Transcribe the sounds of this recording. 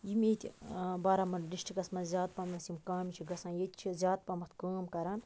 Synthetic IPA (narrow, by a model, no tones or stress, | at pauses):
jimʲet̪ʲbaːɾaːmɐnɖiʃʈikɐsmɐnzʲaːt̪̚pɐmnɐsimkaːmʲit͡ʃʰiɡɐsãːjet̪ʲt͡ʃʰizʲaːt̪̚pɐmɐt̪ʰkaːmkɐɾaːn